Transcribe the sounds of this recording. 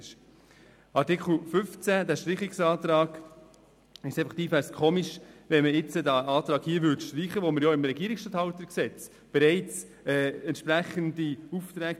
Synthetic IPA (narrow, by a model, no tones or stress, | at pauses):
ʃ | ɑɾtɪkχl̩fʏft͡sæd̪æʃtɾiχɪksɑːt̪ɾɑːɡ̥ | ɪʃɛɪfəχt̪iːfæskʰoːmiʃvɛnməɪt͡sədæɑːt̪ɾɑːɡhiːəvʋʏtʃtɾiːχəʋoməɾjɔɪmɾɛɡiəɾɪksʃtɑt̪hɑwt̪ːəksɛt͡s | b̥ɛɾɛɪt͡s | ɛːɛnt̪ʃpɾæχəndiuft̪ɾæːk